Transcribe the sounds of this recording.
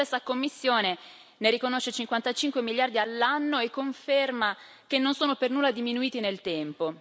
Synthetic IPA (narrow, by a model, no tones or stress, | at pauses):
esːakomːisːjoːne | neɾikonoʃːet͡ʃiŋkwant̪at͡ʃiŋkwemiljard̪ialːanːoekːoɱferma | kenːonsoːnopernuːlːad̪iminuiːt̪inelt̪ɛmpo